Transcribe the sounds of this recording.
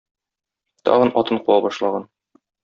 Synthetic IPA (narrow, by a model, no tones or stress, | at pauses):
t̪ɒ̰ʁɤnɒt̪ɤɴquwɑbɒʃlˠɑʁɑn